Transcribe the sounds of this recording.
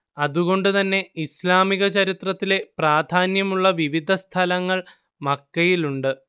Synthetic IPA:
ɐðuɣo̞ɳɖɨt̪ɐnːe̞islaːmiɣɐt͡ɕɐɾit̪rɐt̪ːile̞praːd̪ʱaːnjɐmuɭːɐʋiʋid̪ʱɐst̪ʰɐlɐŋːɐɭ | mɐkːɐjiluɳɖɨ

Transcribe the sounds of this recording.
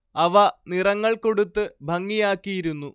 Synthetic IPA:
ɐʋɐnirɐŋːɐɭko̞ɽut̪ːɨbʱɐŋːijaːkːijiɾunːu

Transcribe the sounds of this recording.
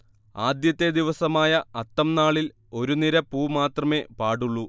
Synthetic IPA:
aːd̪jɐt̪ːe̞d̪iʋɐsɐmaːjɐɐt̪ːɐmnaːɭil | o̞ɾuniɾɐpuːmaːt̪rɐme̞ːpaːɽuɭːu

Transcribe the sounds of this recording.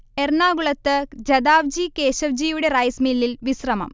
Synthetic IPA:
ernaːɡuɭɐt̪ːɨd͡ʑɐd̪aːʋd͡ʑikeːɕɐʋd͡ʑijuɽe̞rɐjsmilːilʋisrɐmɐ̰m

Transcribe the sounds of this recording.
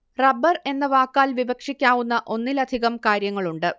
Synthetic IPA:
rɐbːɐre̞nːɐʋaːkːaːlʋibɐkʂikʲːaːʋunːɐʔo̞nːilɐd̪ʱiɣɐmkaːɾjɐŋːɐɭuɳɖɨ

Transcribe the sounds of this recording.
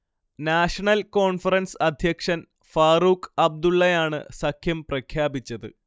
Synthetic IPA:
naːʂɐɳɐlko̞ːɳfɐrɐnsɐd̪ʱjɐkʂɐn | faːruːkʰɐb̚d̪uɭːɐjaːɳɨ̰sɐkʰjɐmprɐkʰjaːbit͡ɕːɐðɨ̰

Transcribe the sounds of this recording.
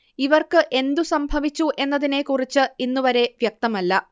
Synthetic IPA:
iʋɐrkɨʔe̞nd̪usɐmbʱɐʋit͡ɕːuʔe̞nːɐðinekurit͡ɕːɨinːuʋɐɾe̞ʋjek̚t̪ɐmɐlːɐ

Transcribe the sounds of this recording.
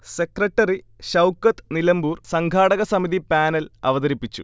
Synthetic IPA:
se̞krɐʈːɐri | ɕɐwkːɐt̪nilɐmbuːrsɐŋɡʱaːɽɐɣɐsɐmiðipaːnɐlɐʋɐðɐɾipːit͡ɕːṵ

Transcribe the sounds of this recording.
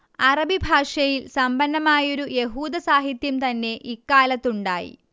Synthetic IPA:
ɐrɐbʱibʱaːʂɐjilsɐmbɐnːɐmaːjo̞ɾuje̞ɦuːd̪ɐsaːɦit̪jɐmt̪ɐnːe̞ʔikːaːlɐt̪ːuɳɖa̰ːjḭ

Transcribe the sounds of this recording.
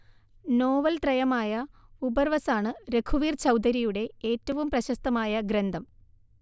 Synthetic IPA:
no̞ːʋɐlt̪rɐjɐmaːjɐubɐrʋɐsaːɳɨɾe̞kʰuʋiːrt͡ɕɐwd̪ɐɾijuɽe̞eːtːɐʋumprɐɕɐst̪ɐmaːjɐɡɾend̪ʱɐm

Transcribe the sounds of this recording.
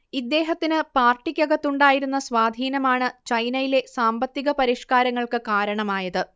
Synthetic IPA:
id̪ːe̞ːɦɐt̪ːinɨpaːrʈːikʲːɐɣɐt̪ːuɳɖaːjiɾun̪ːɐsʋaːd̪ʱiːnɐmaːɳɨt͡ɕɐjnɐjile̞saːmbɐt̪ːiɣɐpɐɾiʂkaːɾɐŋːɐɭkɨkaːɾɐɳɐmaːjɐðɨ

